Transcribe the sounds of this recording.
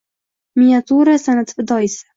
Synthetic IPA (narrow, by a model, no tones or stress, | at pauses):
miat̪ʰuɾasanat̪fɪd̪ɒjɪsɪ̥